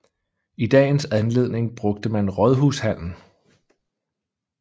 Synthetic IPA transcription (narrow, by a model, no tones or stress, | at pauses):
id̥ɛ̰ːnsænle̝ð̰ˠne̝ŋb̥ʁɔ̽ɡ̥̚d̥əmænʁɒð̞ˠɦuːshæn̰n̩